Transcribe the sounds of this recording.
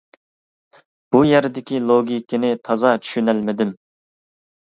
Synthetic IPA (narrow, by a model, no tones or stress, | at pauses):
b̥ujɛɾd̪ɪkʲilˠoɡʲikʲɪnɪt̪ʰɑzɑt͡ʃʰy̥ʃynælmɪd̪ɪm